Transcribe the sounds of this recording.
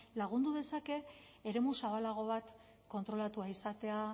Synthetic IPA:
laɣ̞und̪uðe̞sake̞ː | ɾe̞musaβ̞alaɣ̞o̞β̞at̪ | ko̞nt̪ɾo̞lat̪uaisat̪e̞a

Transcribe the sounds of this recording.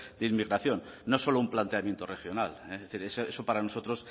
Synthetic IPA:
d̪̥eimiɣɾaθjo̞nːo̞so̞loumplant̪eamje̞nt̪orexjo̞naleθiɾese̞sopaɾano̞so̞t̪ɾo̞s

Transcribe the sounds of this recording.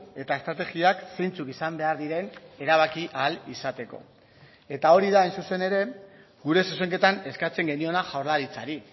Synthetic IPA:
e̞t̪ae̞st̪ɾat̪e̞ɣiakse̞jnt͡sukisambe̞aɾðiɾe̞ne̞ɾaβ̞akiʔalisat̪e̞ko̞̰ | e̞t̪ao̞ɾiðaːjnsuse̞ne̞ɾe̞ | ɡuɾe̞suse̞ŋke̞t̪ane̞skat͡se̞ŋɡe̞nio̞naʝawɾlaɾit͡saɾi

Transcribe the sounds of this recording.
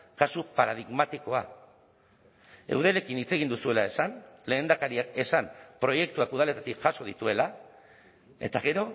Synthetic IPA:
kasupaɾað̞iɣmat̪iko̞a̰ | e̞̰wðele̞kinit͡se̞ɣind̪usue̞lae̞sanle̞ːnd̪akaɾiake̞sanpɾo̞je̞k̚t̪uakuð̞ale̞t̪at̪ikʝaso̞ð̞it̪ue̞la | e̞t̪aɣ̞e̞ɾo̞

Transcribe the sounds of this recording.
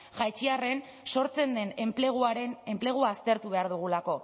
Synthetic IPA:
ʝajt͡ʃiare̞n | so̞ɾt͡se̞nd̪e̞nemplɣaɾene̞mple̞ɣ̞uaːst̪e̞ɾt̪uβe̞aɾðuɣ̞ulako̞

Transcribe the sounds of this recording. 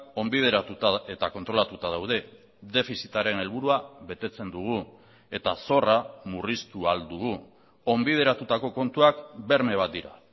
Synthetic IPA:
o̞mbiðeɾaut̪aet̪ako̞nt̪ɾo̞lat̪ut̪að̞awð̞e̞ | ðe̞fisit̪aɾe̞ne̞lβuɾuaβe̞t̪e̞t͡se̞nd̪uɣ̞u | e̞t̪aso̞ramurist̪uald̪uɣu | o̞mbið̞e̞ɾat̪ut̪ako̞ko̞nt̪uakbe̞ɾme̞β̞at̪̚d̪iɾa̰

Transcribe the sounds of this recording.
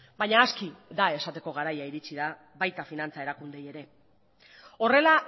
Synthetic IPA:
bajɲaːskid̪ae̞sat̪e̞ko̞ɣ̞aɾajaiɾit͡ʃiða | βajt̪afinant͡sae̞ɾakund̪e̞je̞ɾe̞ | o̞re̞la

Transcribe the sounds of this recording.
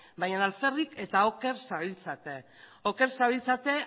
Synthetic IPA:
bajanalfe̞rike̞t̪ao̞ke̞ɾsaβilt͡sat̪e | o̞ke̞ɾsaβilt͡sat̪e̞

